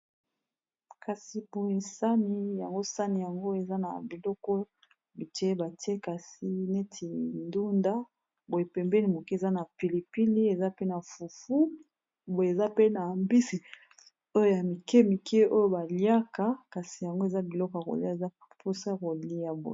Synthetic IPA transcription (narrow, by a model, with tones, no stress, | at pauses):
ka˨si˨bo˨e˨sa˦ni˦ja˨ŋɡo˦sa˦ni˨ja˨ŋɡo˦e˨za˦na̰˨bi˨lɔ˦kɔ˦ | bi˨te˦ba˨ti˦e˦ka˨si˦ne˦tʰi˨ndu˦nda˦ | bo˨e˨pɛ˨mbɛ˦ni˨mo˨ki˦e˨za˦na˨pi˨li˨pi˦li˦e˨za˦pe˦na˨fu˨fu˦ | bo˨e˨za˦pe˦na˨mbi˦si˨ | o˦jo˦ja˨mi˨kɛ˦mi˨kʰe˦o˦jo˦ba˨lja˦ka˨ka˨si˨ja˨ŋɡo˦e˨za˦bi˨lɔ˦kɔ˨a˨ko̰˨li˦a˦˨e˨za˦ | pʰo˦sa˦˨ko˨li˨ja˨bo̰˨